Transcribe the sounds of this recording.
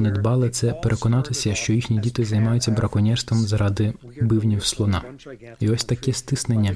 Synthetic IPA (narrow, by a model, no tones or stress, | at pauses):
nɛd̪bɑlˠɪt̪sɛpeɾʔekɔnɑt̪ɪsʲɐʃt͡ʃɔjixnʲidʲit̪ɪzɐjmɑjʊt͡sʲːɐbɾʔɐkɔnʲɛrst̪ʋɐmzɾɑd̪ɪbɪwnʲiwslˠɔnɑ̰ | iɔsʲt̪ɐkɛst̪ɪsnenʲːɐ